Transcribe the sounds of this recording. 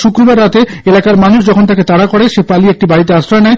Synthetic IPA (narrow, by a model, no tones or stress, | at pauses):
ʃukɾobaɾːat̪eelakaɾmanuʃd͡ʑɔkʰont̪aket̪aɽakoɽeʃepaliek̚ʈibaɽit̪easɾaenɛe